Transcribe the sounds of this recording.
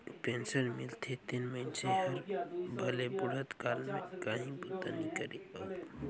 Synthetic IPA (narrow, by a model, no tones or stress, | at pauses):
pẽːnsəɾmɪlt̪ʰet̪inməɪnseɦəɾbʱəlebʊɽ̤ət̪kaːlmḛ̃kaːɦĩbut̪anikəɾio